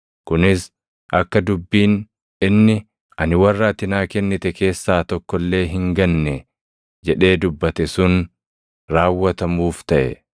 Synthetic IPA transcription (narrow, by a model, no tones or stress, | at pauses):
kʊnɪs | ʔɐkːɐd̪ʊbːiːn | ɪnːɪ | ɐnɪwɐrːaːt̪ɪnaːkɛnːɪt̪ɛke̞ːsːaːt̪ɔkːɔlːe̞ːɦɪŋɡɐnːɛ | d͡ʒɛᶑe̞ːd̪ʊbːɐt̪ɛsʊn | ɾaːwːɐt̪ɐmuːft̪ɐʔɛ̰